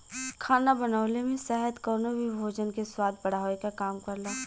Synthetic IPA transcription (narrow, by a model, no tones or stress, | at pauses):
kʰaːnabɐnaːlemẽsɛɦət̪kɔːnobʱibʱoːd͡ʒənkeswaːd̪̚bɐɽ̤aːekakaːmkɐɾlaː